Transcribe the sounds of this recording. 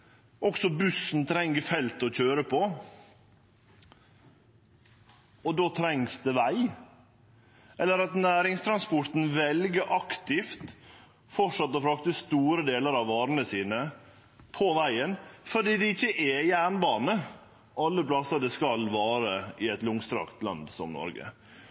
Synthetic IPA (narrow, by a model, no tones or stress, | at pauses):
ʔɔksɔbʉsːn̩t̪ʰɾɛŋːəfɛlt̪ɔc͡çøːɾəpʰɔ | ɔd̪oːt̪ʰɾɛŋsd̪ɛʋæɪ | ʔɛlːəɾɑt̪næːɾɪŋst̪ʰɾɑnspɔɾt̪n̩ʋɛlɡəʔɑkt̪ɪft̪ | fɔʂɑt̪ːɔfɾɑkt̪əst̪uːɾəd̪eːləɾɑʋːɑːɾənəsiːnə | pʰɔʋæɪənfɔɖiːd̪ɛɪçːəʔɛjæːɳbɑːnə | ɑlːəplɑsəd̪ɛskɑlʋɑːɾəɪɛt̪lʊŋst̪ɾɑ̰kt̪lɑ̰nd̪sɔ̰mnɔ̰ɾɡə̰